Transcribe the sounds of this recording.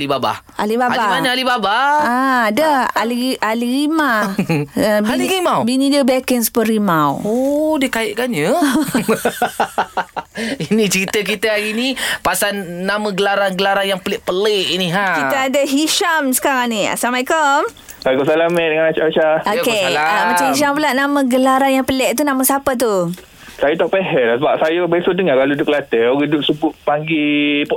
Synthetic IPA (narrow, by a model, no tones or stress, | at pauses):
libaba̰hʔa̰libaabaimanəalibabaaadəa̰liʔaliɣima | bialiɾimawbinĩdəbakɛŋspərimawodikaɪʔkand͡ʒə | inĩt͡ʃəɾit̪əkit̪əaɡinipasanːaməɡəlaɾanɡəlaɾanjaŋpəlɪʔpəleʔiniɦakit̪əadaɦiʃamsə̥kaɾaŋnia̰samajkom | majkʊmsalamɛdəŋanat͡ʃaat͡ʃaokeaamãt͡ʃamhiʃampulaʔnamə̃ɡəlaɾanjaŋpəlɛʔt̪unãmasapat̪̬u | sajət̪aʔpɛɦɛsəbap̚sajəbesodəŋakalodʊk̚lat̪əɡidʊp̚səbʊt̪̚paŋɡip